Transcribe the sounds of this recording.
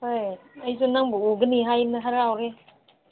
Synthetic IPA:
hojəjs̬unaŋbuuɡɯniɦajnaɦaɾawɾe

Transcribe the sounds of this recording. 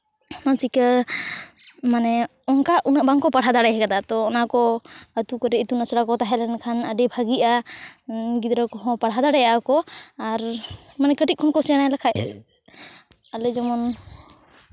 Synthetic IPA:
mansikə | manɛ | ɔŋkaʔunəʔbaŋkɔpaɽɦad̪aɽɛjɦɛkad̪at̪ɔːnakɔət̪ukɔɾɛit̪unasɽakɔt̪aɦɛlɛnkʰanəɖɛbʱaɡiʔa | ɡid̪ɾəkɔɦɔ̃paɽɦad̪aɽɛjakɔaɾ | manɛkəʈit̪̚kʰɔnkɔsanajlakʰaj | alɛd͡ʒɔmɔn

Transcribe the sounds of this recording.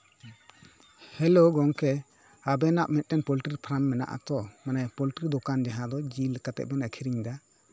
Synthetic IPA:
hɛloɡɔŋkɛ | abɛnaʔmɛt̪̚ˀʈɛnpɔliʈɾiɾpʰɾamːɛna̰ʔa̰t̪ɔmanapɔlʈɾid̪ɔkand͡ʒaɦãd̪ɔd͡ʒiləkat̪ɛ̰ʔ̚bɛnakʰiɾiɲd̪a

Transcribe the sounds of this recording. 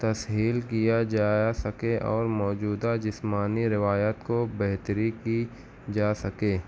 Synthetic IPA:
t̪ɐsɦiːlkijad͡ʒaːsɐkeʔɔ̰ːɾmɔːd͡ʒuːd̪ad͡ʒɪsmaːniɾɪʋaːjət̪kobɛɦt̪ɾiki | d͡ʒaːsɐkẽː

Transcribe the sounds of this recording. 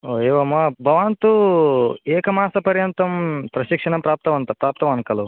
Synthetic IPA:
oːeːʋɐmːabʱɐʋaːnt̪u | eːkɐmaːsɐpɐɾjɐnt̪ɐmpɾɐʃikʂɐɳɐmpɾaːp̚t̪ɐʋɐnt̪ɐpɾaːp̚t̪ɐmɐnkɐlu

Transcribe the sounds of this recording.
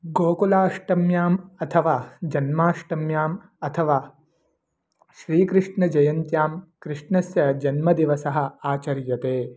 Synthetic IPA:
ɡoːkulaːʂʈɐmjaːmɐt̪ʰɐʋaːd͡ʒɐnmaːʂʈɐmjaːm | ɐt̪ʰɐʋaː | ʃɾiːkɾɨʂɳɐd͡ʒɐjɐnt̪jaːmkɾɨʂɳɐsjɐd͡ʒɐnmɐd̪iʋɐsɐɦɐ̆aːt͡ʃɐɾjɐt̪eː

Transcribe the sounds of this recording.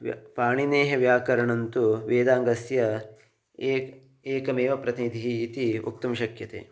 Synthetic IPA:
ʋpaːɳineːɦɐʋjaːkɐɾɐɳɐnt̪uʋeːd̪aːŋɡɐsjɐ | eːkɐmeːʋɐpɾɐt̪inid̪ʱiɦiːt̪iṵk̚t̪ɐmʃɐkjɐt̪ḛː

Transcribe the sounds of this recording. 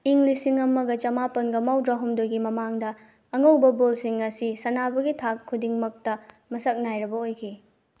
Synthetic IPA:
iŋlisiŋɐmɐɡɐt͡ʃɐmapɐnɡɐmawdɾaɦumdojɡimɐmaŋdɐ | ɐŋɐwbɐbolsiŋɐsisɐnabɐɡitʰakʰːudiŋmɐk̚tɐ | mɐsɐk̚najɾɐbɐojkʰi

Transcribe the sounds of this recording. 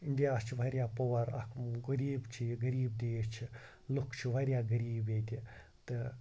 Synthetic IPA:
ind̪ijaːst͡ʃʰiʋɐɾjaːpoʋɐɾɐ̰kmɡɐɾiːbt͡ʃʰiɡɐɾiːb̚d̪eːst͡ʃʰi | lukʰt͡ʃʰiʋɐɾʲjaːɡɐɾiːbeːt̪ʲi | t̪ɨ

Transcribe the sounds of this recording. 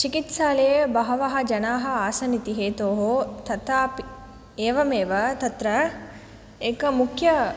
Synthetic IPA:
t͡ʃikit̪saːlejbɐɦɐʋɐɦɐd͡ʒɐnaːɦɐ̆aːsɐnit̪iɦeːt̪oːɦot̪ɐt̪aːpi | eːʋɐmeːʋɐt̪ɐt̪ɾɐ | ekɐmukʰjɐ

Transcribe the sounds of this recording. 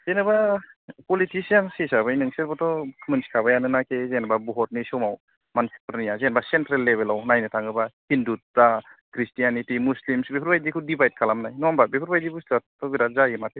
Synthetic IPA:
zenɯbapɔlitisijansisabajnɯŋselbɔtɔkʰɯmɯnsi̥kʰabajanɯnakʰezenababɔɦɔt̚nisɔwmaw | mansi̥pɾnijazenbasentɾalːeβelawnajnɯtʰaŋɡɯbahindut̚ːakʰɾistijanitimuslimsbepʰɾbajdikʰɯwdibajt̚kʰalamnajnɔambabepʰɾbajdibustatɔbiɾazajimatʰe

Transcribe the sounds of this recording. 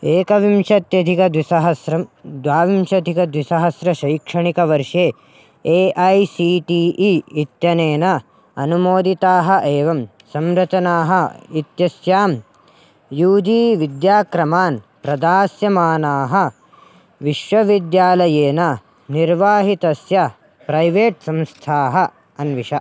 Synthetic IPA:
eːkɐʋimʂɐt̪jɐd̪ʱikɐd̪ʋisɐɦɐsɾɐd̪ʋaːʋimʃɐd̪ʱikɐd̪ʋisɐɦɐsɾɐʃɐjkʂɐɳikɐʋɐɾʂeː | eːʔɐjsiːʈiːʔiit̪jɐneːnɐ | ɐnumoːd̪it̪aːɦɐ̆ʔeːʋɐm | sɐmɾɐt͡ʃɐnaːɦɐit̪jɐsjaːm | juːd̪iːʋid̪jaːkɾɐmaːn | pɾɐd̪aːsjɐmaːnaːɦɐ̆ | ʋiʃʋɐʋid̪jaːlɐjeːnɐ | niɾʋaːɦit̪ɐsjɐ | pɾɐjʋeːʈsɐ̃mst̪ʰaːɦɐ | ɐnʋiʂɐ

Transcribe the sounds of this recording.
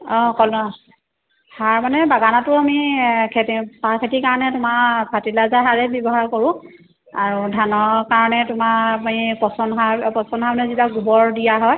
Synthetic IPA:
ɔ̃kɔlnɔ | haɹmanɛbaɡanatʊamikʰetpakʰetikaɹɔnɛtʊmapʰatilazaɦaɹɛbjɔbɔɦaɹkɔɹʊ̃ | aɹudʱanɔkaɹɔnɛtʊmaipɔsɔnɦapɔsɔnɦamanɛzitaɡubɔɹdijaɦɔj

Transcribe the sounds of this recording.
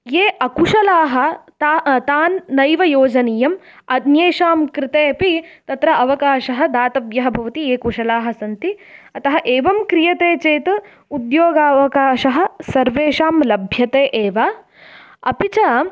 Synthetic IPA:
jeːʔɐkuʃɐlaːɦɐ̆t̪ːt̪aːnːɐjʋɐjoːd͡ʒɐniːjɐm | ɐd̪njeːʃaːmkɾɪt̪eːpit̪ɐt̪ɾɐʔɐʋɐkaːʃɐɦɐ̆d̪aːt̪ɐbjɐɦɐbʱɐʋɐt̪ieːkuʂɐlaːɦɐsɐnt̪iɐt̪ɐɦɐʔeːʋɐmkɾijɐt̪eːt͡ʃeːt̪ | ud̪joːɡaːʋɐkaːʃɐɦɐ̆sɐɾʋeːʃaːmlɐbʱjɐt̪eːʔeːʋaː | ɐpit͡ʃɐ

